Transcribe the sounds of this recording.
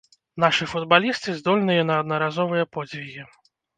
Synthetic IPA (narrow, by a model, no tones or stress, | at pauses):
naʂɨfud̪balʲist̪ɨzd̪ɔlʲnɨjɐnɐːd̪nɐɾazɔvɨjɐpɔd͡zʲvʲiɣʲi